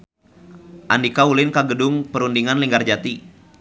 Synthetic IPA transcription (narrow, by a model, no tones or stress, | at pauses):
ʔandikaulɪnkaɡədʊŋpəɾundiŋanliŋɡard͡ʒat̪i